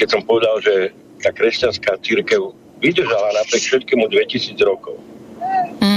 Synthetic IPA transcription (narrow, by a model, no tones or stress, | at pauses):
kɛcsɔmpɔʋɛd̪alʒɛ | t̪aːkɾɛscanskaːt͡siɾkɛʊ | ʋid̪r̩ʒalanapɾɪɛkfʃɛt̪̚kɛmud̪ʋɛcisiːd͡zɾɔkɔʊ